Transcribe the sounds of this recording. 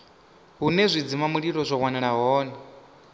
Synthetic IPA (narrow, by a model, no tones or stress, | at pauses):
ɦunɛzʷid͡zimamuɺiɾɔzʷɔkwanɛɺaɦɔːna